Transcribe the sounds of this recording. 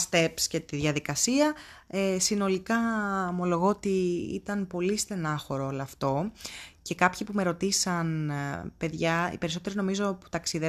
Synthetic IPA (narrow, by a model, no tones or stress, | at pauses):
st̪e̞psce̞t̪iðʝɐðikɐsiɐ | esino̞likɐmo̞lo̞ɣo̞ot̪iḭt̪ɐnpo̞list̪enɐxo̞ɾoolɐɐft̪o̞ce̞kɐpçipume̞ɾo̞t̪isɐnpe̞ðʝɐḭpeɾiso̞t̪e̞ɾino̞mizo̞pu̥t̪ɐksiðe